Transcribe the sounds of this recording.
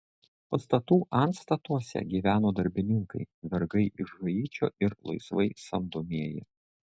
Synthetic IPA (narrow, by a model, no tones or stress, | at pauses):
pɐst̪ɐt̪uːʔɐnt̪st̪ɐt̪uɔsʲɛ̰ɡʲiːʋʲæːnoːd̪ɐɾʲbʲɪnʲɪŋkɐɪʋʲɛɾɡɐɪʔɪʒʋɐjiːt͡ʃʲo̰ːʔɪɾlˠɐ̰ɪsʋɐɪsɐmd̪oːmʲiɛjɪ̰